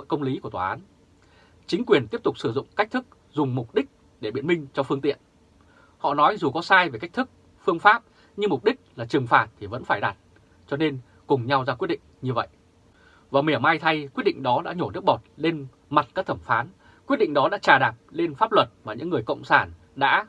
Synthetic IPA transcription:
jkə˧wŋ͡mli˨˦ku˧˩ət̪wa˨ʔaː˨˦n | t͡ɕï˨˦ŋ̟kwi˨˩ənt̪i˦˥əp̚t̪ʊ˨˩k͡p̚sɨ˧˩zʊ̰˧˨ŋ͡mka˦˥k̚t̪ʰɨ˦˥k̚ | zʊ˨˩ŋ͡mmʊ˨˩k͡p̚ɗï˦˥k̚ | ɗe˧˩ɓḭ˧˥ənmï˧ŋ̟t͡ɕɔ˧fɨ˧əŋt̪ḭ˧˨ən | hɔ̰˧˨nɔ˨˦jzu˨˩kɔ˨˦saː˧jve˨˩ka˦˥jk̚t̪ʰɨ˦˥k̚ | fɨ˧əŋfaː˦˥p̚ | ɲɨ˧mʊ˨˩k͡p̚ɗï˦˥k̟̚laː˨˩t͡ɕɨ˨˩ŋfaː˨˩t̚t̪ʰi˨˩və̰˧˥nfaː˧˩jɗa˨˩t̚ | t͡ɕɔ˧ne˧n | kʊ˨˩ŋ͡mɲa˧wzaː˧kwi˦˥əɗḭ˧˨ŋ̟ɲɨ˧və̰˧˨j | vaː˨˩wmi˧˩əma˧jt̪ʰa˧jkwi˦˥t̚ɗḭ˧˨ŋ̟ɗɔ˨˦ɗa̰ː˧˥ɲo˧˩nɨ̰˦˥ək̚ɓɔ˨˩t̚le˧n | ma˨˩t̚kaː˦˥k̚t̪ʰə˧˩mfaː˨˦n | kwt̚ɗḭ̈˧˨ŋ̟̚ɗɔ˨˦ɗa̰ː˧˥t͡ɕaː˨˩ɗaː˨˩t̚le˧nfaː˦˥p̚lwə˨˩t̚maː˨˩ɲɨ̰˧˥ŋːɨ˨˩əjkə̰˧˨wŋ͡msaː˧˩n | ɗa̰ː˧˥

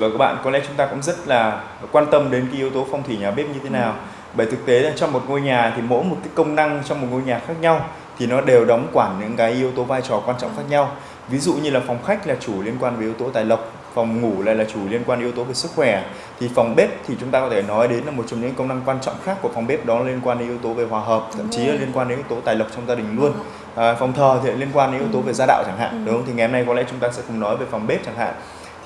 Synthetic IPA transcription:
vəː˨˩kaː˦˥k̚ɓa̰ː˧˨nkɔ˨˦lɛ̰˧˥t͡ɕʊ˨˦ŋ͡mt̪aː˧kʊ̰˧˥ŋ͡mzə˦˥t̚laː˨˩ | kwaː˧nt̪ə˧mɗe˨˦nkaː˨˦ji˧˦əwt̪o˨˦fa˨˩wŋ͡mt̪ʰi˧˩ɲaː˨˩ɓe˦˥p̚ɲɨ˧t̪ʰe˨˦naː˨˩w | ɓəː˧˩jt̪ʰɨ˨˩k̚t̪e˨˦aː˨˩t͡ɕɔ˧ŋ͡mmo˨˩t̚ŋo˧jɲaː˨˩t̪ʰi˨˩mo̰˧˥jmo˨˩t̚kaː˨˦jkə˧wŋ͡mna˧ŋt͡ɕɔ˧wŋ͡mmo˨˩t̚ŋo˧jɲaː˨˩xaː˦˥k̚ɲa˧w | t̪ʰi˨˩nɔ˨˦ɗe˨˩wɗɔ˨˦wŋ͡mkwaː˧˩nɲɨ̰˧˥ŋkaː˨˦jʔi˧əwt̪o˨˦vaː˧jt͡ɕɔ˨˩kwaː˧nt͡ɕɔ̰˧˨ŋ͡mxaː˦˥k̚ɲa˧w | vi˨˦zṵ˧˨ɲɨ˧laː˨˩fɔ˨˩wŋ͡mxa˦˥jk̟̚laː˨˩t͡ɕu˧˩li˧ənkwaː˧nve˨˦ʔi˧əwt̪o˨˦t̪aː˨˩jlə˨˩wk͡p̚ | fa˨˩wŋ͡mŋu˧˩la̰ː˧˨laː˨˩t͡ɕu˧˩li˧ənkwaː˧nɗi˧əwt̪o˨˦ve˨˩sɨ˦˥k̚xwɛ˧˩ | t̪ʰi˨˩fa˨˩wŋ͡mɓe˦˥p̚t̪ʰi˨˩t͡ɕʊ˨˦ŋ͡mt̪aː˧kɔ˨˦t̪ʰe˧˩nɔ˨˦jɗe˨˦nlaː˨˩mo˨˩t̚t͡ɕɔ˧ɲɨ̰˧˥kkə˧wŋ͡mna˧ŋkwaː˧nt͡ɕɔ̰˧˨wŋ͡mxaː˦˥kːu˧˩əfa˨˩wŋ͡mɓe˦˥p̚ɗɔ˨˦lli˧ənkwaː˧nɗe˨˦ʔi˧əwt̪o˨˦ve˨˩ɦwaː˨˩ɦəː˨˩p̚t̪ʰə̰˧˨mt͡ɕi˨˦laː˨˩li˧ənkwaː˧nɗe˨˦ni˧wt̪o˨˦t̪aː˨˩jlə˨˩k͡p̚t͡ɕɔ˧wŋ͡mzaː˧ɗï˨˩ŋ̟lu˧ənː˨ | fɔ˨˩wŋ͡mt̪ʰəː˨˩t̪ʰi˨˩li˧ənkwaː˧nɗe˨˦nʔəwt̪o˨˦ve˨˩zaː˧ɗa̰ː˧˨wt͡ɕa˧˩ŋha̰ː˧˨nɗŋ͡mt̪ʰi˨˩ŋ˨˩ha˧mna˧jkɔ˨˦lɛ̰˧˥t͡ɕʊ˨˦ŋ͡mt̪aː˧sɛ̰˧˥kʊ̰˧˩ŋ͡mnɔ˨˦jve˨˩fa˨˩wŋ͡mɓe˦˥p̚t͡ɕa˧˩ŋha̰ː˧˨n | t̪ʰ

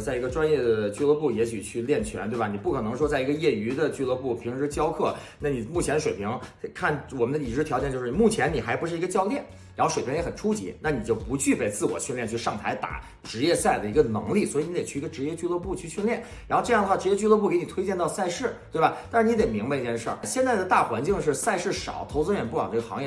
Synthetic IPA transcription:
t͡sa˥˩ɪi˧˥ɡə˧ʈ͡ʂwa˥njɛ˥˩d̪ə˩t͡ɕy˥˧lɤ˥˧pu˥˩jɛ˧˥ɕy̰˨˩t͡ɕʰy˥˧ljɛ˥˩nt͡ɕʰɥɛ̰˧˥nt̪we˥˩ba˨˩ni˨˩pu˥˩kʰɤ˨˩nɤ˧˥ŋʂwɔ˥t͡sa˥˩ɪi˧˥ɡə˧jɛ˥˩y˧˥d̪ə˧t͡ɕy˥˧lɤ˥˧pu˥˩pʰi˧˥ŋʈ͡ʂɻ̩˥˧t͡ɕjɑ˥ʊkʰɤ˥˩na˥˩ni˨˩mu˥˩t͡ɕʰjɛ˧˥nə˧ʂe˨˩ɪpʰi˧˥ŋkʰa˥˩nwɔ˨˩mə˦nd̪ə˧i˨˩ʈ͡ʂɻ̩˥˩t̪ʰjɑ˧˥t͡ɕɛ˧˩t͡ɕo˥˧ʊʂ̩˥˩˨mu˥˩t͡ɕʰjɛ˧˥ni˨˩xa˧˥ɪpu˧˥ʂɻ̩˥˩i˧˥ɡə˧t͡ɕjɑ˥ʊt̪jɛ˥˩n | ɻa˧˥nxo˥˧ʂe˨˩˧ŋjɛ˧˥xə˨˩nʈ͡ʂʰu˥t͡ɕḭ˧˥na˥˩ni˨˩t͡ɕjo˥˩ʊpu˧˥t͡ɕy˥˧pe˥˧ɪt͡sɹ̩˥˩wɔ̰˨˩ɕi˥˧nljɛ˥˧nt͡ɕʰy˥˧ʂɑ˥˩ŋt̪ʰa̰˧˥ɪt̪a̰˨˩˦ | ʈ͡ʂɻ̩˧˥jɛ˥˧sa˥˩ɪd̪ə˩i˧˥ɡə˧nɤ̰˧˥ŋli˥˩swɔ˧˥˨ni˧˥d̪e˨˩t͡ɕʰy˥˩˧ɡə˧ʈ͡ʂɻ̩˧˥jɛ˥˧t͡ɕy˥˧lwɤ˥˧pu˥˧t͡ɕʰy˥˧ɕy˥˧nljɛ˥˩n | ɻa˧˥xo˥˧ʊʈ͡ʂɤ˥˧jŋd̪xwa˥˩ʈ͡ʂɻ̩˧˥jɛ˥˧t͡ɕy˥˧lwɤ˥˧p̬u˥˩ke˧˥ni˨˩t̪ʰwe˥ɪt͡ɕjɛ˥˧nt̪ɑ˥˧ʊsa˥˧ɪʂɻ̩˥˩t̪we˥˩ɪbɐ˨˩t̪a˥˧ʂɻ̩˥˧ni˧˥t̪e˨˩mi˧˥ŋba˧i˥˧t͡ɕjɛ˥˧nʂə̰˞˥˩ɕjɛ˥˧nt͡sa˥˩ɪd̪ə˩t̪a˥˩xwa˧˥nt͡ɕi˥˧ŋʂɻ̩˥˧sa˥˧ɪʂɻ̩˥˩ʂɑ̰˨˩˦ʊt̪ʰo˧˥ʊt͡sɹ̩˥ɥɛ˨˩npu˥˩ɻɑ˨˩ŋʈ͡ʂɤ˥˩ɡə˩xɑ̰˧˥ŋjɛ˥˩

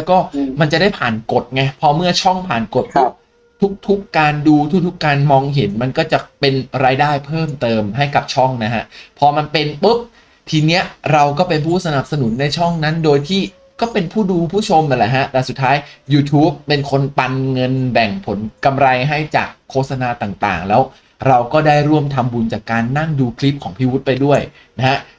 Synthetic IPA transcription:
lɛ˦˥wkɔː˥˩ma˧nt͡ɕa˨˩daː˥˩jpʰaː˨˩nko˨˩t̪̚ŋa˧jpʰɔ˧mɯ˥˩ɐt͡ɕʰɔ˥˩ŋpʰaː˨˩nko˨˩t̪̚pɔ˦˥˩ | t̪ʰu˦˥k̚t̪ʰu˦˥kːaː˧nduː˧t̪ʰu˦˥k̚t̪ʰu˥kːaː˧nmɔː˧ŋɦe˩˦nma˧nkɔː˥˩t͡ɕa˨˩pe˧nɾaː˧jdaː˥˩jpʰɤː˥˩mt̪ɤː˧mɦa˥˩jka˨˩p̚t͡ɕʰɔ˥˩ŋna˦˥kʰa˦˥ʔpʰɔː˧ma˧npe˧npɯ˦˥p̚ | t̪ʰiː˧ni˦˥ɐɾa˧wkɔː˥˩pe˧npʰuː˥˩sa˧na˨˩p̚sa˧nu˩˦nːa˧jt͡ɕʰɔ˥˩ŋna˦˥ndoː˧jt̪ʰiː˥˩ | kɔː˥˩pe˧npʰuː˥˩duː˧pʰuː˥˩t͡ɕʰo˧mʔa˨˩lɛ˨˩ɦa˦˥ʔlɛ˧˩su˨˩t̪ʰːaː˦˥jjuː˧t̪ʰuː˦˥pːe˧nkʰo˧npa˧nŋɤ˧nbɛ˨˩ŋpʰo˩˦nka˧mɾa˧jɦa˥˩jt͡ɕa̰ː˨˩kʰːoː˥˩t̪̚sa˧naː˧t̪aː˨˩ŋt̪a̰ː˨˩ŋlɛː˦˥w | ɾa˧wkɔː˥˩daː˥˩jɾu˥˩əmt̪ʰa˧mbu˧nt͡ɕaː˨˩kːaː˧nːa˥˩ŋduː˧kʰli˦˥p̚kʰɔː˩˦ŋpʰiː˦˩wu˦˥t̪̚pa˧jdu˥˩əj | na˦˥kʰa˦˥ʔ

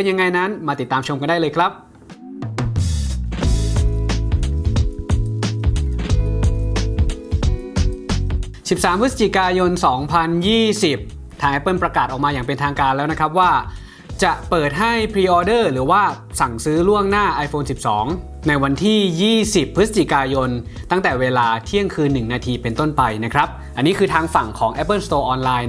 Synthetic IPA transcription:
e˧nja˧ŋːa˧jna˦˥nmaː˧t̪i˨˩t̪ːaː˧mt͡ɕʰo˧mka˧ndaː˥˩lɤː˧jkʰɾa˦˥p̚ | si˨˩p̚saː˩˦mpʰɯ˦˥sa˧˩t͡ɕi˨˩kaː˧jo˧nsɔː˩˦ŋpʰa˧njiː˥˩si˨˩p̚ | t̪ʰaː˨˩ŋʔa˦˩pɤ˧npɾa˧kaː˨˩t̪ʔɔː˨˩k̚maː˧jaː˨˩ŋpe˧nt̪ʰaː˧ŋkaː˧nlɛː˦˥wna˦˥kʰɾa˦˥p̬̚waː˥˩ | t͡ɕa˨˩ʔpɤː˨˩t̪̚ɦa˥˩jpʰɾiː˧ʔɔː˧dɤː˥˩ɾɯː˩˦waː˥˩sa˨˩ŋsɯː˦˥lu˥˩əŋnaː˥˩ʔa˧jfʰoː˧nsi˨˩p̚sɔː˩˦ŋ | na˧jwa˧nt̪ʰiː˥˩jiː˥˩si˨˩pʰːsa˧t͡ɕi˨˩kaː˧jo˧n | t̪a˥˩ŋt̪ɛː˨˩weː˧laː˧t̪ʰi˥˩əŋkʰɯː˧nːɯ˨˩ŋnaː˧t̪ʰiː˧pe˧nt̪o˥˩npa˧jna˦˥kʰɾa˦˥p̚ʔa˧nːiː˦˥kʰɯː˧t̪ʰaː˧ŋfa˨˩ŋkʰɔː˩˦ŋʔɛ˦˥pːɤ˥˩nst̪oː˧ʔɔː˧nlaː˧j

